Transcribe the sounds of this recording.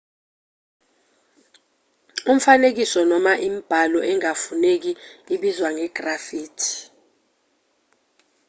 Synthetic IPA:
um̩fanek̬isɔnɔmaʔimib̥ʱalɔʔɛŋafunek̬iiɓizwaŋɛɡ̥rafiːtʰi̥

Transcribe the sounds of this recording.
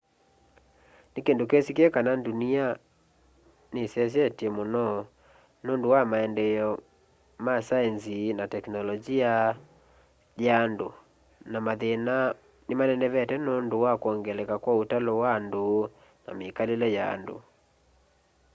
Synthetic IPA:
nekendokesikeɛkanandunia | nesɛs̬ɛtiɛmonɔ | nondowamaɛndɛjɔ | masaɛnzinatɛknɔlɔd͡ʒia | jaːndo | namaðena | nemanɛndɛβɛtɛnondowakwɔŋɡɛlɛkakwautalɔwando | na̰mekalelɛja̰ːndo̰

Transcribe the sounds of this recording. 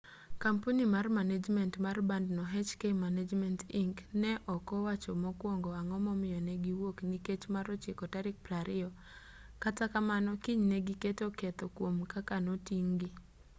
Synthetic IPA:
kampunimarmaned͡ʒmɛntmarbandnɔɦɛt͡ʃkemaned͡ʒmɛntiŋknɛʔɔkɔwat͡ʃɔmɔkwoŋɡɔaŋɔmɔmɪjɔnɛɡiwokniket͡ʃmaɾɔt͡ʃɪkɔtaɾɪk̚pɾaɾɪɔ | katakamanɔkiɲnɛɡiketokɛt̪ɔkwomkakanotiŋɡi

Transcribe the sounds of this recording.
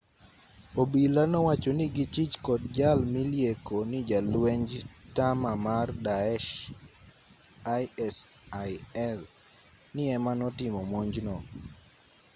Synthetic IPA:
obilanɔwat͡ʃonɪɡɪt͡ʃit͡ʃkɔd̚d͡ʒalmiljekonɪd͡ʒalwɛɲd͡ʒtamamardaɛʃ | ajɛs | ajɛl | nɪɛmanɔtɪmɔmoɲd͡ʒnɔ

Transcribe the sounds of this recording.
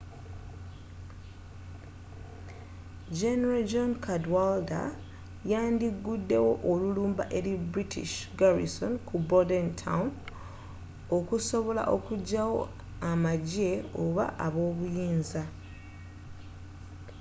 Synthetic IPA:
d͡ʒeneɾald͡ʒonkʰadwalda̰ | jaːndiɡːudːe̞wo̞ʔoluluːmbaʔe̞ɾibɾitḭʃɡaɾḭso̞nkubodentʰa̰wn | o̞kuso̞βo̞la̰ʔo̞kuɟːawo̞̰ | amaɟe̞oβa̰ʔaβo̞ːβujiːnza

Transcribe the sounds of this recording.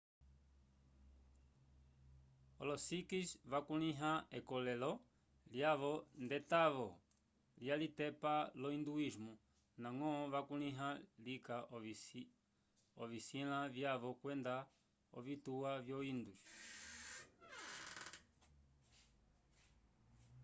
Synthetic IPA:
ɔlɔsikisvakuniɦaɛkɔlɛlɔ | ljaβɔndɛtaʋɔ | ljalitɛpalɔind̪uizmu | naŋɔʋakulĩɦalika | ɔvisilavjaβɔkwɛnda | ɔ̰vituavjɔind̪uʃ

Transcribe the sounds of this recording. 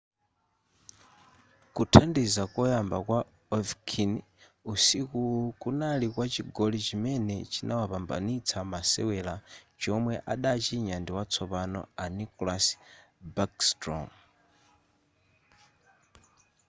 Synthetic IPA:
kutʰandizakɔjambakwa | ɔvkʰin | usikukunalikwat͡ʃiɡɔlit͡ʃimɛnɛt͡ʃinʔawapamba̰nit͡sʰamasɛwɛlat͡ʃɔmwɛʔaɗat͡ʃiɲandiwat͡sʰɔpanɔ̰anikɔlas | bakstɾɔ̰m

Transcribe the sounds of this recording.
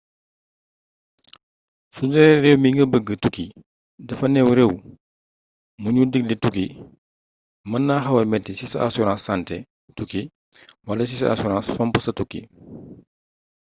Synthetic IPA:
sud͡ʒɛɾɛwmiŋɡɐbəɡətuki | dɐfɐnɛwɾɛw | muɲudik̚lituki | mɐnːaːxɐwɐmɛtisisɐa̰sɔɾãsːantɛ | tuki | wɐlɐsisɐ̰ʔa̰sɔɾãːsfɔmpusɐtukːḭ

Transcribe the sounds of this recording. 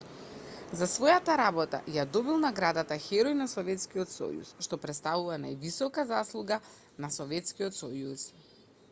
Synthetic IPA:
zasvɔjat̪aɾabɔt̪a̰jad̪ɔbilˠnaɡɾad̪at̪axɛɾɔjnasɔvɛt̪skiɔt̪sɔ̰jṵsʃt̪ɔpɾɛt̪st̪avuvanajvisɔkazaslˠuɡa | nasɔvɛt̪skiɔt̪sɔjus

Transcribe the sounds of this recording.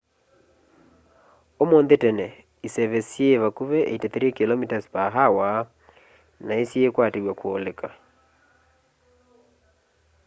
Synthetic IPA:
omondetɛnɛ | isɛβɛsjeβakuβɛʔḛitɛt̪eɾekilɔmitaspaɦawa | naesjekwaːteɣwakwɔlɛka

